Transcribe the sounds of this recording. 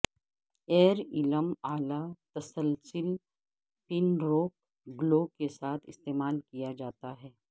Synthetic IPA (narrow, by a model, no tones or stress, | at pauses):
ɛːɾɪləmaːlat̪ɐsəlsɪl | pɪnɾoːk̚ | ɡloːkesaːt̪ʰɪst̪eːmaːlkijad͡ʒaːt̪aɦɛː